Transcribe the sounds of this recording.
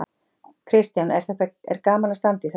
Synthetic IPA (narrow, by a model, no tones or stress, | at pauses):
kʰɾɪst̪janɛɾ̥θɛht̪aɛ̰ɾkaːmalast̪ant̪ɪiθ